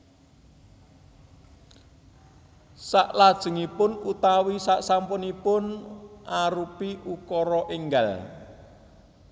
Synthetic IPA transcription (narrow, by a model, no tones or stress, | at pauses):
saʔlad̥ʒ̥ə̤ŋipʊnut̪awisaʔsampʊnipʊnʔaɾupiʔukɔɾɔʔiŋɡal